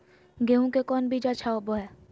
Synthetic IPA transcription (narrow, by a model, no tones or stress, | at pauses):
ɡeɦõkekɔːnbʱid͡ʒat͡ʃʰaoboɦɛː